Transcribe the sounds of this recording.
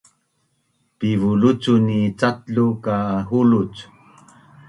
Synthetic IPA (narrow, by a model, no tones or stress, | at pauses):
pivulut͡sunit͡satɮukaɦulut͡s